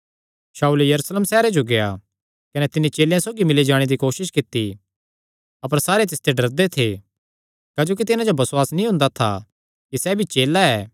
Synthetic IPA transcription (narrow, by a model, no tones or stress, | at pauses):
saːulejɐɾusleːmsɛːɾed͡ʒoɡeja̰ | kɐnɛt̪ɪnit͡ʃeːlejãsoːɡimɪlid͡ʒaːɽ̃ed̪ikoːʃɪʃkɪt̪ːi | ɐp̬əɾsaːɾet̪̬ɪst̪ʰeɖɐɾd̪et̪ʰe | kaːd͡ʒoːk̬it̪ɪnãd͡ʒobɐswaːsnĩɦʊ̃nd̪at̪ʰa̰ | kisɛbʱit͡ʃeːlaɛː